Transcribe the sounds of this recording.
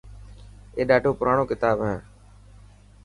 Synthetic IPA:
eːɗaːɖʱoːpʊɾaːɳoːkɪt̪aːbɦɛː

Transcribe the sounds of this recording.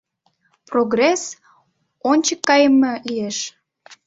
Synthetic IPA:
proɡres | onʲt͡ɕəkːɑjəməlieʃ

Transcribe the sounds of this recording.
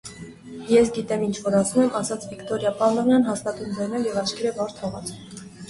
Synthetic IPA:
jɛs̬ɡit̪ɛmint͡ʃʰvɔɾɑsumɛmʔɑsɑt͡sʰvikt̪ɔɾjɑpɑlɑnjɑnɦɑst̪ɑt̪und͡zɑjnɛljɛvɑt͡ʃkʰɛɾɛbɑɾt̪ʰhɔʁɑt͡sʰu

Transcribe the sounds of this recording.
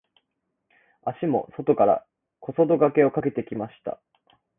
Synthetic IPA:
aɕimo̞̰so̞t̪o̞kaɾa̰ | kʰo̞so̞d̪o̞ɡake̞o̞kake̞t̪e̞kʲimaɕi̥t̪a̰

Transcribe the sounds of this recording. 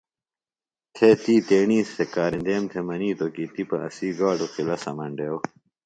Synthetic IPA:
t̪ʰet̪iːt̪eːɳiːst̪ʰekaːɾĩnd̪eːmt̪ʰemɐniːt̪okit̪ipɐʔɐ̰siːɡaːɖuqilɐsɐ̰mɐɳɖeːw

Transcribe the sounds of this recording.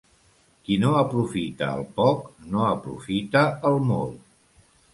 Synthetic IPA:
kinoəpɾufit̪ə̰ːlˠpɔknoəpɾṵfit̪əəlˠmɔlˠ

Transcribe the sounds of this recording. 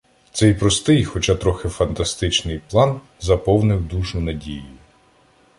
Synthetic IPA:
t̪sɛjpɾɔst̪ɪjxɔt͡ʃɑt̪ɾɔxɪfɐnt̪ɐst̪ɪt͡ʃnɪjplˠɑn | zɐpɔwnɪwd̪uʒʊnɐdʲijʊ

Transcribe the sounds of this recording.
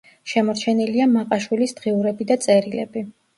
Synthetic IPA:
ʃɛmɔɾt͡ʃʰɛniliamaqʼaʃwilisd̪̥ʁiuɾɛbid̪at̪sʼɛɾilɛ̰bi

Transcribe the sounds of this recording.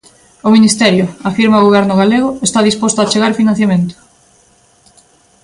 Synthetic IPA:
ʊminist̪ɛɾjʊafiɾmaoɣoβ̞ɛɾnʊɣaleɣʊest̪aðispost̪ʊat͡ʃeɣaɾfinãn̟θjamẽnt̪ʊ̥

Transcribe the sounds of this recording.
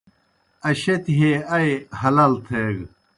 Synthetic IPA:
ɐɕet̪ɦeɐjhɐlɐlt̪ʰeɡ

